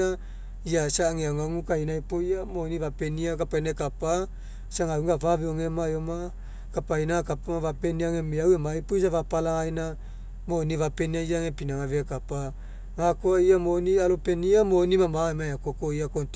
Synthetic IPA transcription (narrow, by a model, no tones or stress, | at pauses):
a | iasaŋeaŋaŋukainaipoiamonivapeniakapainakapa | saŋawɡavaveoŋemajoma | kapainakapamavapeniaŋemiawemajpoisavapalaŋajna | moːnivapeniaiaŋepinaŋaveakapa | ŋakoaiamonialopeniamonimamaemaakokoiakont